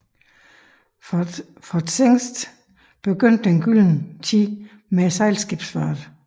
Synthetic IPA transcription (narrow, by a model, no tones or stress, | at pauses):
fɒd̥seŋ̰sd̥ | b̥e̝ɡ̥øn̰d̥enɡ̥yln̩t͡sʰi | mesɑ̈ɪlsɡ̥ib̥sføɐd̥